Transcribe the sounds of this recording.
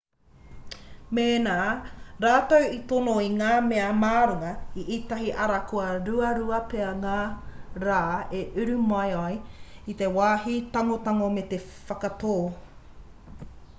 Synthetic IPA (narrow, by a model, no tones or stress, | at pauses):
meːnaːɾaːt̪owit̪onoiŋaːmeɐmaːɾoŋɐiʔit̪ɐɦiʔɐɾɐkʰuɐɾʉɐɾuɐpeɐŋaːɾaːeʔʉɾʉmajajit̪ewaːɦit̪aŋot̪aŋomet̪e | fɐkɐtoː